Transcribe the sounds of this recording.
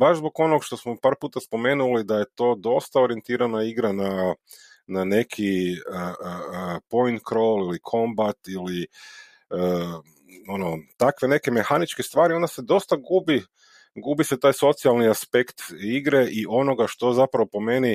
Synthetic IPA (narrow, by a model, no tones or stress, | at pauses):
baʒzbo̞ɡo̞noɡʃt̪o̞smopaːɾpuːt̪aspo̞me̞ːnulid̪aje̞t̪o̞d̪o̞st̪ao̞ɾie̞nt̪iːɾanaiɡɾana | nane̞kʰiəəpo̞jnt̪kɾolilikʰo̞mbat̪ili | ə | o̞no̞t̪akʋe̞ne̞ke̞me̞xanit͡ʃkest̪ʋaːɾiond̪ase̞d̪o̞st̪aɡubi | ɡubise̞t̪aːjso̞t̪sialˠniaspe̞kt̪iɡɾe̞ʔiʔo̞no̞ɡaʃt̪o̞zapɾaʋo̞po̞me̞ni